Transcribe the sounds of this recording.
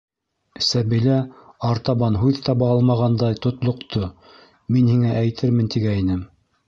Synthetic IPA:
sæβilæɑɾt̪ɑβɑnɦʉðt̪ɑβɑɑlˠmɑʁɑnd̪ɑjt̪ŏt̪lˠŏqt̪ʰo | minhiŋæʔæjt̪ʰɘɾmɘnt̪iɡæjinɘm

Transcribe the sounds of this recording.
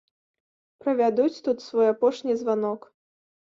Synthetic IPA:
pɾɐvʲad̪ut͡sʲt̪ut̪svɔjapɔʂnʲizvanɔk

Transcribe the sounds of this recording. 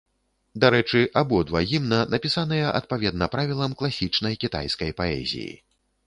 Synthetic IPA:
d̪aɾɛt͡ʂɨʔabɔd̪vaɣʲimnɐnɐpʲisanɨjɛʔɐ̰t̪̚pavʲɛd̪nɐpɾavʲilˠɐmklˠasʲit͡ʂnɐjkʲit̪a̰jskɐjpaɛ̰zʲḭjḭ

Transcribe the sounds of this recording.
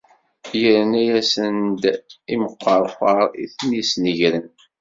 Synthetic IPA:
jəɾənæjæsənd̪iməqːəɾˤfəɾˤḭθnisnəʝɾən

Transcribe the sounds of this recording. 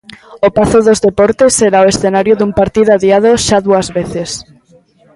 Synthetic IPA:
opaθoðozðepɔɾt̪eseɾaoesθenaɾjoðumpaɾt̪iðoaðjað̞oʃaðuazβeθes

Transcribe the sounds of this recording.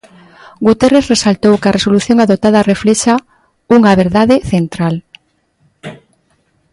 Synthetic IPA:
ɡut̪ereθresalt̪owkaresoluθjoŋaðot̪aðɐrefleʃa | uŋaβeɾðaðeθent̪ɾal

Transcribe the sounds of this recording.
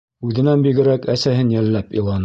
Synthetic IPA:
ʉðɘ̆nænbiɡɘ̆ɾækæsæhɘnjælːæpilˠɑn

